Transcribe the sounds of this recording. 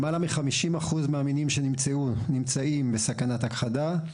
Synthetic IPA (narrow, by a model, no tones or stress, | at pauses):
malamiχamiʃimaχuzmaːminimʃenimt͡seunimt͡saimbe̞sakanat̪akχada